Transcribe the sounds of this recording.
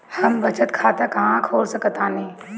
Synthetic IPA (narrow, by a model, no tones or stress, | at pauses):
həmbɐt͡ʃət̪kʰaːt̪akɐɦãkʰoːlsəkət̪aːneː